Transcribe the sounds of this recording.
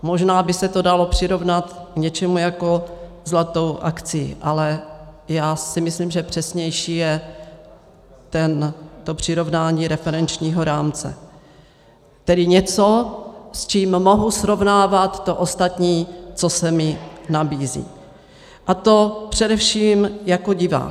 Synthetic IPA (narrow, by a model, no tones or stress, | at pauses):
mo̞ʒnaːbɪsɛt̪odalo̞pr̝̥ɪɾo̞vnat̪kɲɛt͡ʃɛmujako̞ | zlat̪o̞wʔakt͡sɪjḭʔalɛjaːsɪmɪsliːmʒɛpr̝̥ɛsɲɛjʃiːjɛ | t̪ɛnt̪o̞pr̝̥ɪɾo̞vnaːɲiːɾɛfɛɾɛnt͡ʃɲiːɦoɾaːmt͡sɛ̰ | t̪ɛdɪɲɛt͡sost͡ʃiːmmo̞ɦusɾo̞vnaːvat̪ːoʔo̞st̪at̪ɲiːt͡so̞sɛmɪnabiːzḭː | ʔat̪o̞pr̝̥ɛdɛfʃiːmjako̞ɟɪva̰ːk